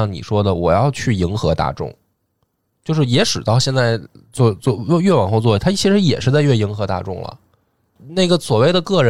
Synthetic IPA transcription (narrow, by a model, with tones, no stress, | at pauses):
ɑ˥˩ŋnḭ˨˩ʂwɔ˥d̪ə˨wɔ̰˨˩jɑ˥˧ʊt͡ɕʰy˥˩i˧˥ŋxɤ˧˥t̪a̰˥˧˩ʈ͡ʂʊ̰˥˩ŋ | t͡ɕjo˥˧ʊʂ̬ɻ̩˥˩jɛ˧˥ʂɻ̩˨˩t̪ɑ˥˧ʊɕjɛ˥˧nt͡sa˥˧ɪt͡swɔ˥˧t͡swɔ˥˧˥ɥɛ˥˩wa˨˩nxo˥˧ʊt͡swɔ˥˩˥t̪ʰa˥t͡ɕʰi˧˥ʂɻ̩˧˥jɛ̰˨˩ʂɻ̩˥˧t͡sa˥˧ɪɥɛ˥˩i˧˥ŋxɤ˧˥t̪a̰˥˧ʈ͡ʂʊ̰˥˩ŋlə̰˩ | na˥˩ɪɡə˩swɔ˨˩we˥˩ɪd̪ə˩kɤ˥˩ɻə˧˥